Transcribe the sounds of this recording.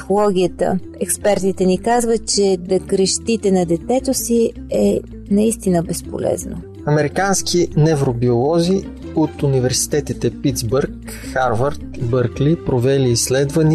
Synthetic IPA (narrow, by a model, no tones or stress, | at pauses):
si̥xolˠɔɡ̟ʲiət̪ə̰ | ɛkspɛɾt̪it̪ɛnikazvət̪̚t͡ʃɛd̪ɐkɾɛʃt̪it̪ɛnɐd̪ɛt̪ɛt̪osi | ɛ | nɐist̪inəbɛspo̰lɛ̰zno̰ | ɐmɛɾikanskinɛvɾobiolˠɔzi | ot̪univɛɾsi̥t̪ɛt̪it̪ɛpid̪zbəɾk | xaɾvɐɾt̪bɤɾklipɾovɛliːsːlɛd̪vəni